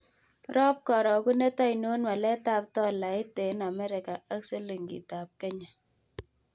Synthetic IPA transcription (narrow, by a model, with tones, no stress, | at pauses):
ɾɔ˦p̚kɔ˨ɾɔ˨ku˦ne˦tɔ˦jno˦nwa˨lɛ˦ta˦p̚tɔ˦la˨ɪ˦te˨˦na˨mɛ˦ɾɪ˨ka˨a˦kse˦li˨ŋɡḭ˨ta˨p̚kɛ˦ɲa˨